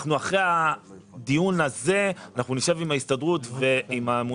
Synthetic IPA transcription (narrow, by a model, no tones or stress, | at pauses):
χnuaχʁea | d̪ijunaze̞anaχnuniʃe̞vimaistadʁutveimamu